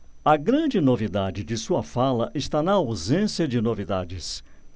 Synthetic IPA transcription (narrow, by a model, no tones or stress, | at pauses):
ɐɡɾɐ̃d͡ʒɪnovid̪ad͡ʒɪd͡ʒɪsuɐfalɐʔɪʃt̪anɐawzẽsjɐd͡ʒɪnovid̪ad͡ʒɪs